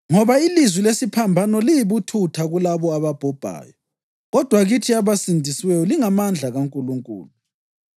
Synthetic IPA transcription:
ŋɔβailizwilesipʰambʱanɔlijiβutʰutʰaɣulaβɔaβab̥ʱɔb̥ʱa̰ːjɔ | ɣɔd̥ʱwaɣitʰiaβasindʱiswɛjɔliŋamand͡ɮʱaɣaŋkʼuluŋkʼṵːlu

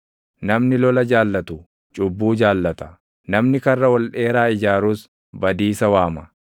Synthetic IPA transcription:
nɐmnɪlɔlɐd͡ʒaːlːɐt̪ʊ | t͡ʃʼʊbːuːd͡ʒaːlːɐt̪ɐ̥ | nɐmnɪkɐrːɐwɔlᶑe̞ːɾaːɪd͡ʒaːɾuːs | bɐd̪iːsɐwaːmɐ

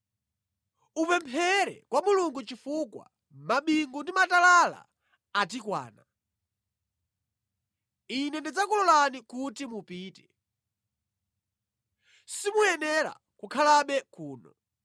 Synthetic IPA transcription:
upɛmpʰɛɾɛ̰kwamuluŋɡut͡ʃifukwa̰ | maɓiŋɡundimatalala̰ | at̬ikwa̰ːna | inɛndid͡zakulɔlanikutimupiːtɛ̥ | simujɛnɛɾa̰ | kukʰalaɓɛkuːnɔ̰

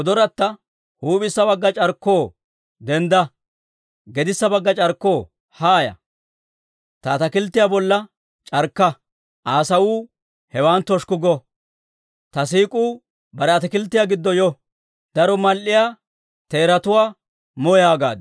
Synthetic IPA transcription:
ɔd̪ɔɾɐt̪ːɐ | huːpɪsːɐbɐɡːɐt͡ʃʼɐɾkːoː | d̪ɛnd̪ɐ | ɡɛd̪ɪsːɐbɐɡːɐt͡ʃʼɐɾkːo̞ː | haːjɐ̰ | t̪ɐːt̪ɐkɪlt̪ːɪjaːbɔlːɐ | t͡ʃʼɐɾkːɐ | ʔaːsɐwuː | hɛwant̪ɔʃkʊɡɔ | t̪ɐs̬iːkʼuː | bɐɾɛɐt̪ɐkɪlt̪ːɪjaːɡɪd̪ːɔjɔ | d̪̥ɐɾɔmɐlʔɪjaː | t̪e̞ːɾɐt̪ʊwaː | mɔjaːɡa̰ːd̪

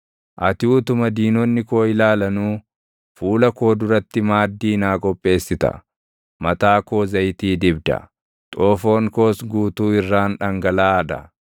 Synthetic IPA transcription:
ʔɐt̪uːt̪ʊmɐd̪iːnɔnːɪkoːɪlaːlɐnuː | fuːlɐko̞ːd̪ʊɾɐt̪ːɪmaːd̪ːiːnaːkʼɔpʼːe̞ːsːɪt̪ɐ̰ | mɐt̪aːko̞ːzɐjt̪iːd̪ɪbd̪ɐ̰ | t̪ʼoːfo̞ːŋko̞ːsɡuːt̪uːɪrːaːnᶑɐŋɡɐlaːɐd̪ɐ̰

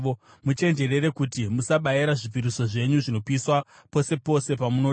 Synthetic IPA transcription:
o | mut͡ʃe̞nd͡ʒe̞re̞ɾe̞kutimusaɓaiɾaʐipiɾiso̞ʐe̞ɲuʐino̞piswa | po̞se̞po̞se̞pamuno

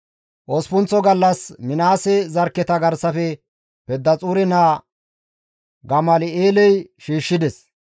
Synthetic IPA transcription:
ʔɔspʊnt͡sːɔɡɐlːɐsmɪnaːsɛzɐɾkːɛt̪ɐɡɐɾsɐfɛ | pɛd̪ːɐt͡sʼuːɾɛnaː | ɡɐmɐlɪeːlɛjʃiːʃːɪd̪ɛs

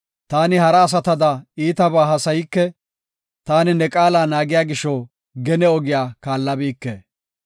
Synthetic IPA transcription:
t̪aːnɪhɐɾɐːs̬ɐt̪ɐd̪ɐiːt̪ɐbaːɦɐsɐjɪkːɛ | t̪aːnɪnɛkʼaːlaːnaːɡɪjaːɡɪʃːɔ | ɡɛnɛɔɡɪjaːkaːlːɐbiːkːḛː

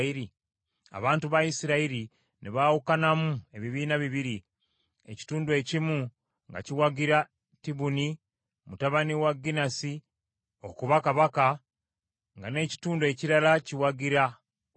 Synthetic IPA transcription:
iɾi | a̰βaːntuβaisiɾaiɾi | niβawukanamue̞βiβiːnaβiβiɾi | e̞̰ci̥tuːnduwe̞cimu | ŋɡa̰ciwaɡiɾa | tiβuni | mutaβaniwaɡinasi | o̰kuβakaβaka | ŋɡane̞ːci̥tuːndue̞ciɾalaciwaɡiɾa

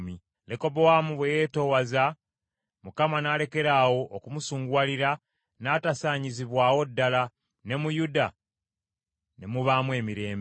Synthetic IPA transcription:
mi | leko̞bowamuβwejeːto̞waza | mukamanaːle̞ke̞ɾaːwo̞ʔːkumusuːŋɡwaːliɾa | naːtasaːɲiziβwaːwo̞dːala | ne̞mujuda | ne̞muβaːmwe̞ːmiɾe̞ːmb

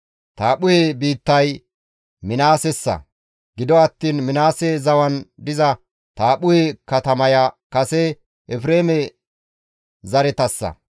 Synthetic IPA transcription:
t̪aːɓʊhebiːt̪ːɐj | mɪnaːsɛsːɐ̰ | ɡɪd̪ɔɐt̪ːiːnmɪnaːsɛzɐwɐnd̪ɪzɐ | t̪aːɓʊhɛkɐt̪ɐmɐjɐkɐsɛ | ʔɛfɾeːmɛ | zɐɾɛt̪ɐsːɐ̰

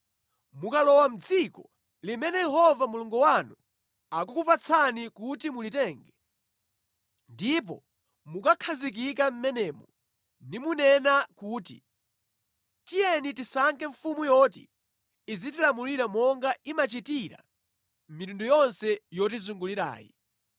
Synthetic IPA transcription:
mukalɔwam̩d͡zikɔ | limɛnɛjɛɦɔvamuluŋɡuwanu | akukupat͡sʰanikutimulitɛŋɡɛ | ndip̬ɔ̰ | mukakʰazik̬ik̬am̩mɛnɛːmɔ | nimunɛnakuːtḭ | tijɛnitisaŋkɛɱfumujɔtḭ | izit̬ilamuliɾamɔŋɡaimat͡ʃitiɾa̰ | mitundujɔnsɛjɔt̬izuŋɡuliɾa̰ːjḭ

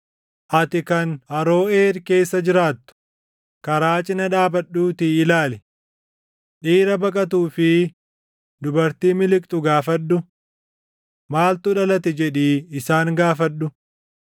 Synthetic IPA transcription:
ʔɐt̪ɪkɐnɐɾo̞ːeːɾke̞ːsːɐd͡ʒɪɾaːt̪ːʊ̥ | kɐɾaːt͡ʃʼɪnɐᶑaːbɐɗːuːt̪iːlaːlɛ | ᶑiːɾɐbɐkʼɐt̪̬uːfɪ | d̪ʊbɐɾt̪iːmɪlɪkʼt̪ʼʊɡaːfɐɗːʊ | maːlt̪ʊᶑɐlɐt̪ɛd͡ʒɛᶑiːɪsaːŋɡaːfɐɗːʊ

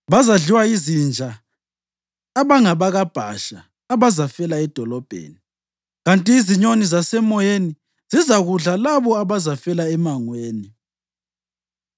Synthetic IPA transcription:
βazaɮiwaizind͡ʒʱa | βaŋaβaɣab̥ʱa̰ʃaː | βazafɛlaɛd̥ʱɔlɔb̥ʱḛːni | ɣantʼiːziɲonizasɛmɔjeni | z̥izaɣuɮalaβɔaβazafɛlaɛmaŋweːni

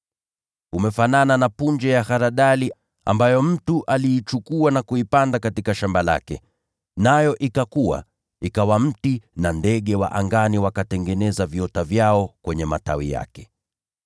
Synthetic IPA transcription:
umɛfanananapund͡ʒɛjahaɾaɗali | a̰mbajɔm̩tuʔaliːt͡ʃukuanakuipandakatikaʃambala̰kɛ̰ | najɔʔikakuwa̰ | ikawam̩tinandɛɠɛwa̰ʔaŋɡaniwakatɛŋɡɛnɛzavjɔtavjaɔkwɛɲɛma̰ta̰wija̰kɛ̥

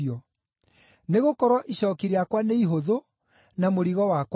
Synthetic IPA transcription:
ɔ | neɣokɔɾwɔʔiɕɔːkiɾeakwaneiɦoðo | namoɾiɣɔwakw

